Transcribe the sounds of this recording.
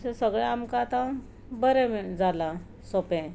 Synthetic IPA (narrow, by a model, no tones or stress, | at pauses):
sesəɡɭaamkaːt̪ã | bəɾɛmd͡zala | sopɛ̃